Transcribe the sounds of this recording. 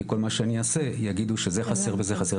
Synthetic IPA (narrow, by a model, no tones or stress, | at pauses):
ko̞lmaʃeaniase̞jaɡid̪uʃezeχaseʁbezeχase